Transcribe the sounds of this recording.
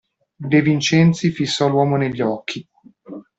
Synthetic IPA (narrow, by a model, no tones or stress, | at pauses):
d̪evint͡ʃɛnt̪sifisːɔlwɔːmoneʎːɔkʰːi